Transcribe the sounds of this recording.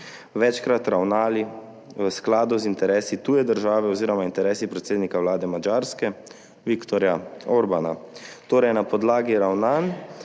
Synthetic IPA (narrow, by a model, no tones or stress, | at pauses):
ʋɛt͡ʃkɾat̪ɾawnaːli | ʋəsklaːd̪uzint̪ɛɾɛːsit̪uːjɛd̪əɾʒaːʋɛɔziːɾɔmaint̪ɛɾɛːsipɾɛt̪seːd̪nikawlaːd̪ɛmad͡ʒaːɾskɛ | ʋikt̪ɔɾjaoɾbanat̪oːɾɛjnapɔd̪laːɡiɾawnan